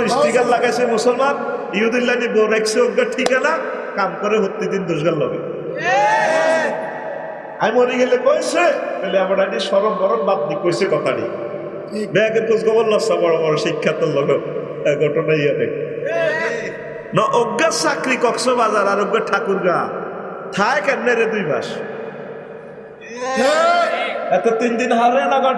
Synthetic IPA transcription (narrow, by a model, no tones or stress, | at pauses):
ɾistiɡallaɡajsemusɔlman | iɦud̪ilːanibɔɾajkseoɡːaʈʰikana | kamkɔɾeɦot̪ːid̪ind̪uʃɡallɔ̰ɡḛ | ajmoɾiɡelekojsekeleamaɾaniʃɔɾɔnbɔɾɔnbat̪̚nikojsekɔt̪ʰaɽḭ | bɛkenkosɡɔbɔlːɔsabɔɽɔbɔɾɔʃikʰːat̪ɔlːɔɡo | ɡʱɔʈonaiane | nɔʔoɡːasakɾikɔksɔbazaɾaɾoɡːaʈʰːakuɾɡa | t̪ʰaekɛnːeɾed̪ujba̰ʃ | ɛt̪et̪ind̪inɦaɾenaɡa